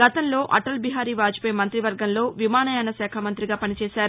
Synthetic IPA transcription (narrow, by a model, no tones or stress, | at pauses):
ɡɐt̪ɐnlo̞ːʔɐʈɐlbiɦaːɾiːʋaːd͡ʒi̥pejmɐnt̪ɾiʋɐɾɡɐnlo̞ːʋimaːnɐjaːnɐsɛːkʰamɐnt̪ɾiɡaːpɐnit͡ʃɛːsaːɾu